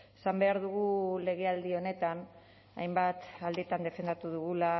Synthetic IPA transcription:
esambe̞aɾðuɣ̞ule̞ɣ̞e̞ald̪io̞ne̞t̪an | a̰jmbat̪ald̪iet̪and̪e̞fe̞nd̪at̪uðuɣula

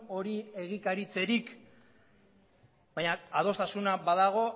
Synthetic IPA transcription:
o̞ɾie̞ɣikaɾit͡se̞ɾik | baɲaað̞o̞st̪asunabaðaɣ̞o̞

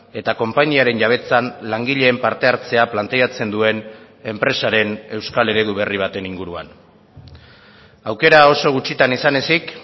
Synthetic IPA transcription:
e̞t̪ako̞mpaɲiaɾe̞nʝaβ̞e̞t͡sanlaŋɡiʎe̞ːmpaɾt̪e̞aɾt͡se̞aplant̪e̞at͡se̞nd̪ue̞n | e̞mpɾe̞saɾe̞ne̞wskale̞ɾe̞ðuβe̞riβ̞at̪e̞niŋɡuɾua̰n | awke̞ɾao̞so̞ɣ̞ut͡ʃit̪anisane̞sik

